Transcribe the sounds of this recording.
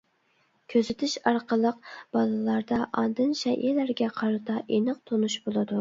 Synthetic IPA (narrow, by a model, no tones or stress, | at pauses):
kʲʰøzɪt̪ʰɪʃɑɾqəlˠəq̚b̥ɑlˠɨlˠɑɾd̪ɑʔɑnd̪ɨnʃɛʔilæɾɡʲɛqʰɑɾɨt̪ʰɑʔenɨq̚t̪ʰonuʃbolˠɨd̪u